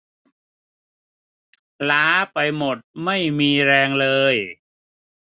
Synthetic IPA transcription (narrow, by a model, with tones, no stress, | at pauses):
laː˦˥pa˧jmo˨˩t̪̚ma˥˩jmiː˧ɾɛː˧ŋlɤː˧j